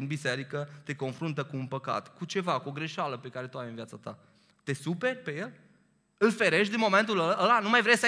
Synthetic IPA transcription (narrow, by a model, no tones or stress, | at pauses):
inbise̞ɾikət̪e̞ko̞nfɾunt̪̬əkuːnpəka̰t̪kut͡ʃe̞vakuoɡɾe̞ʃaləpe̞kaɾe̞t̪uajɨnvjat̪sat̪a̰ | t̪e̞supe̞rʲpe̞je̞l | ɨlfe̞ɾe̞ʃt̪̬d̪inmo̞me̞nt̪̬uləəlanumajvɾesə